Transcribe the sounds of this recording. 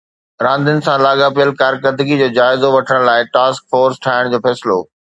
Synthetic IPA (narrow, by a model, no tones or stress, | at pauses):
ɾãːnd̪ʱənɪ̆sãlaːɠapiəlkaːɾkəɾd̪əɡid͡ʑoːd͡ʑaːɪzoʋɐʈʰəɽ̃laːɪʈaːskfoːɾsʈʰaːɪɽ̃d͡ʑoːfɛːsɪlo̰ː